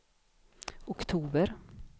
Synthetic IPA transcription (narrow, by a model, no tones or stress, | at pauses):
ʊkt̪ʰuːbəɾ